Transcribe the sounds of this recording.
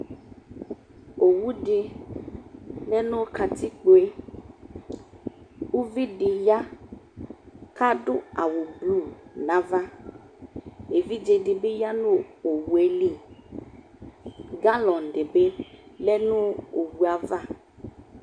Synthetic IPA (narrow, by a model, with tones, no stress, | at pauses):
o˨wu˦dɪ˨ | lɛ˦nʊ˦ka˨tʰɪ˦k͡po˨e˦ | u˦vi˦dɪ˨ja˦ | ka˦dʊ˦a˨wʊ˨blu˦˨na˦va˦ | e˨vi˦d͡ʒe˨dɪ˨bɪ˦ja˦nʊ̃˦o˨wu˨e˦li˦˨ | ɡa˦lɔ̃˨n˨dɪ˨bɪ˦lɛ˦nʊ̃˦o˨wu˨a˨va˦˨